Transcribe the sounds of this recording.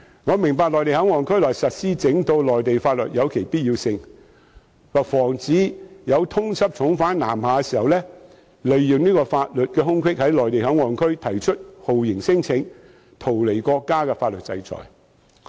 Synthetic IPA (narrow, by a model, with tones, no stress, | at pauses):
ŋɔː˨˧mɪ˨˩ŋpaː˧klɔː˨jt̪e˨jhɐ˨˥ŋɔː˨˧nkʰɵ˥ɥlɔː˨˩jsɐ˨t̚siː˥t͡sɪ˨˥ŋt̪o˧wlɔː˨jt̪e˨jfaː˧t̚lɵ˨t̚jɐ˨˧wkʰe˨˩jpiː˥t̚jiː˧sɪ˧ŋ | waː˨k̚fɔː˨˩ŋt͡siː˨˥jɐ˨˧wt̪ʰʊ˥ŋsʰɐ˥p̚t͡ʃʰʊ˨˥ŋfaː˨˥nnaː˨˩mhaː˨˧kɛ˧siː˨˩hɐ˨wlɛː˥ | lɵ˨ɥjɪ˨ŋniː˥kɔː˧faː˧t̚lɵ˨t̚kɛː˧ɦʊ˥ŋkʷʰɪ˥k̚hɐ˨˥jlɔː˨˩jt̪e˨jɦɐ˨˥ŋŋɔː˨˩nkʰɵ˥ɥt̪ʰɐ˨˩jt͡ʃʰɵ˥t̚ho˨wjɪ˨˩ŋsɪ˥ŋt͡sʰɪ˨˧˥ŋ | t̪ʰo˨˩wle˨˩jkɔː˧kːaː˥kɛː˧faː˧t̚lɵ˨t̚t͡sɐ̰˧jt͡sɔ̰ː˨˩j